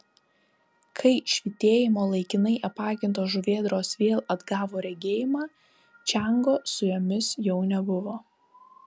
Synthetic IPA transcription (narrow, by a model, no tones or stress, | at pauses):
kʰɐɪʃʲʋʲɪt̪ʲeːjɪmoːlˠɐɪkʲɪnɐɪʔɐpɑːkʲɪnt̪oːʒʊʋʲeːd̪ɾoːsʋʲeːlˠɐd̪ɡɑːʋoːɾʲɛɡʲeːjɪmɑː | t͡ʃʲæŋɡoːsʊjoːmʲɪsjɛʊnʲɛbʊʋoː